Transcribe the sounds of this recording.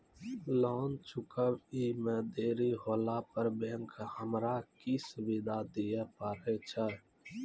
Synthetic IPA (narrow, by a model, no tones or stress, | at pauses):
lɔːnt͡ʃʰʊkəbimɛ̃ːd̪eːɾiɦoːlapəɾbẽŋkhəmɾakisʊbɪd̪ʱad̪ijepaːɾet͡ʃʰə